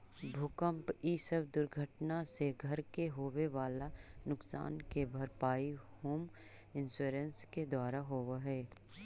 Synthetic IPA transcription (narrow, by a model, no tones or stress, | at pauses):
bʱʊkə̃mpisəbd̪ʊɾɡʱəʈnaseɡʱɐɾkeɦoːweʋaːlanʊksa̰ːnkebʱɐɾpaːihoːm | ɪ̃nsuːɾənsked̪waːɾaɦoːʋaɦɛː